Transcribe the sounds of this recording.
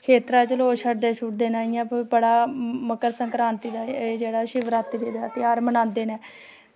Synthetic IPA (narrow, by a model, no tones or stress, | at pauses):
kʰeːt̪ɾaːt͡ʃəloːʃʰəʈd̪eːt͡ʃʰʊʈ̚d̪eːnaːijãːpobəɽaːməkəɾsəŋkɾaːnt̪iːd̪aːeːd͡ʒeːɽaːʃɪʋɾaːt̪ibeːd̪aːt̪eaːɾmənãːnd̪eːnɛː